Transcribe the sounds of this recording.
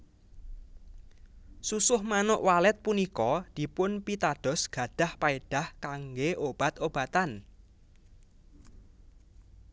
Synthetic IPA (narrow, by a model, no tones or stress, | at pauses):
susʊhmanʊʔwalɛt̪̚punikɔd̪̥i̤pʊnpit̪aɖ̥ɔ̤sɡ̥ä̤ɖ̥ä̤hpaeɖ̥a̤hkaŋɡeʔob̥a̤t̪ob̥a̤t̪an